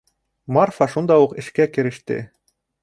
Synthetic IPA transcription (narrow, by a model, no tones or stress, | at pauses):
mɑrfɑʃund̪ɑokɘ̆ʃkækɘ̆ɾɘ̆ʃt̪ḛ